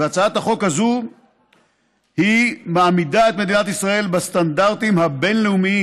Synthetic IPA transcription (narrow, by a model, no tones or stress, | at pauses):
eat͡saat̪haχo̞khazu | himaːmidae̞t̪me̞d̪inat̪isʁae̞lbast̪andaʁt̪imhabe̞nleumii